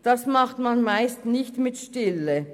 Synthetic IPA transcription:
d̥ɑsmɑχtmanmaɪstnɪçtmɪtʃtɪlə

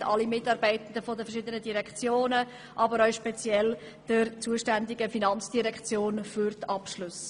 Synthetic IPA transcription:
ɑ̰limɪtːɑːɾbɛɪtən̩dəfɔdəfɛɾʃɪd̪ənədiɾɛkχt͡sjoːnə | ʔɑbəɾœʊʃpɛt͡sjɛl | d̥əɾt͡suəʃtændɪɡəfinɑnt͡sd̥iɾɛkχt͡sjoːnfyɾtɑpʃlʊs

